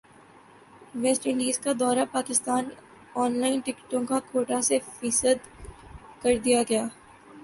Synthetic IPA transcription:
ʋɛsʈɪ̃ɳɖiːzkad̪ɔːɾapaːkɪst̪aːn | ɔːnlaːɪnʈɪkʈõkakʰoːʈasefisəd̪ | kɐɾd̪ijaɡɐjaː

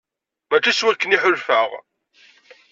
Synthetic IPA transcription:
mæt͡ʃːæswækːəniħʊlfəʁ

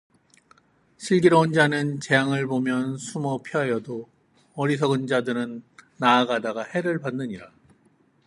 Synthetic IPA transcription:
ɕʰiɭɡiɾʌʌnd͡ʑanɯnt͡ɕe̞jaŋɯɭbomjʌnsʰumʌpʰjʌɦajʌdo | ʌɾisʰʌɡɯnd͡ʑadɯɾɯnː | aːɡadaɡahe̞ɾɯɭpanːɯɲiɾa

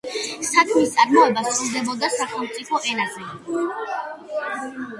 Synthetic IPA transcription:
sakʰmist̪sʼaɾmɔɛbasɾulˠd̪ɛbɔd̪asaχɛlˠmt̪sʼipʰɔʔɛnazɛ

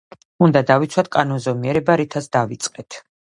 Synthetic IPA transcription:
und̪ad̪avit̪sʰwat̪̚ʰkʼanɔnzɔmiɛɾɛbaɾit̪ʰasd̪avit̪sʼqʼɛt̪ʰ

